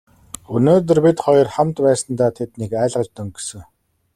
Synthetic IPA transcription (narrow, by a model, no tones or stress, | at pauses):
ɵnoːt̪̬ɵ̆rpit̪χɔj̆rχamt̪pæːsə̆nt̪aːt̪ʰet̪nikæːɮʁə̆ɮt̪ɵ̆ŋɡesɘ̆ŋ